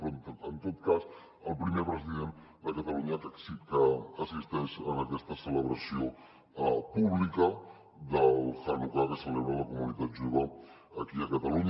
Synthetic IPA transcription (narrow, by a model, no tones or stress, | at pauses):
ɾont̪ənt̪ot̪kas | əlˠpɾimepɾəziðend̪əkət̪əluɲəkəksipt̪əəsist̪eʃənəkɛst̪əsələβɾəsio | puβlikə | d̪əlˠxarukakəsəleβɾələkumunit̪at̪ʒuβəː | kiəkət̪əluɲ